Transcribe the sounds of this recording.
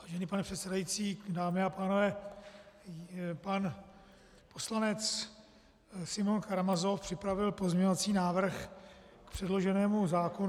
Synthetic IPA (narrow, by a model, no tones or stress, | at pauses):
vaːʒɛnɪpanɛpr̥ɛt̪sɛdajit͡siːdaːmɪapaːno̞vɛː | pan | po̞slanɛt͡s | sɪmonkaɾamazofpr̥ɪpɾavɪlpo̞zmɲɛɲovat͡siːnaːvr̩x | kpr̝̥ɛdlo̞ʒɛnɛːmuzaːkon